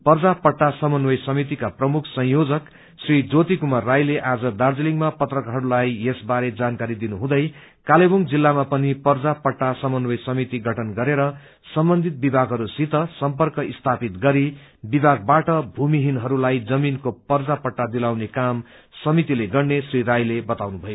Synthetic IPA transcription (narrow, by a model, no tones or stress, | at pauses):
pʌrd͡zapʌʈːasʌmʌnwʌjsʌmit̪ikaprʌmukʰsʌ̃jjod͡zʌk | srid͡zot̪ikumarːajleʔad͡zʌd̪ard͡ziliŋmapʌt̪rʌkaɦʌɾulajesbaɾed͡zankaɾid̪inuɦũd̪ʌj | kaleboŋd͡zilːamapʌnipʌrd͡zapʌʈːasʌmʌnwʌjsʌmit̪iɡʱʌʈʰʌnɡʌɾeɾʌ | sʌmbʌnd̪ʱit̪̚bibʱaɡɦʌɾusit̪ʌsʌmpʌrkʌist̪ʰapit̪ɡʌɾi | bibʱaɡ̚baʈʌbʱumiɦinɦʌɾulajd͡zʌminkopʌrd͡zapʌʈːad̪ilawnekam | sʌmit̪ileɡʌrnesriɾajlebʌt̪awnubʱʌjo